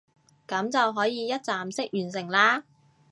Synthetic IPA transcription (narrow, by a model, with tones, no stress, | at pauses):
kɐ˨˥mt͡sɐ˨wɦɔː˨˥jiː˨˧jɐ˥t̚t͡saː˨msɪ˥k̚jyː˨˩ns̬ɪ˨˩ŋlaː˧